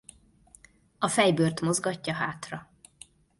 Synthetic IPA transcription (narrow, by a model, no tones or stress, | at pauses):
ɒfɛjbørt̪mo̞zɡɒcːɒɦaːt̪rɒ